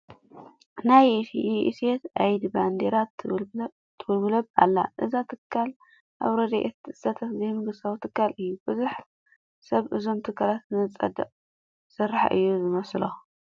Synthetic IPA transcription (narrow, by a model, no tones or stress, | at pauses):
najset̪ʔajd̪iband̪eɾat̪ | t̪ʰːɨwʊlɡlɐbʔa̰lːa̰ʔɨzat̪ʰɨkʰːal | ʔa̰βɾɐd̪ɐʔet̪ɨsɐt̪ʰɐt̪zejmɨɡɨsawt̪ʰɨkːalʔɨjːub̥ɨzuħ | sɐβʔɨzo̞mt̪ʰɨkʰːalat̪nɨt͡sʼɐ̰d̪ɐ̰ʔʼ | sɨrːaħa̰ʔɨ̰jːuzɨmɐslo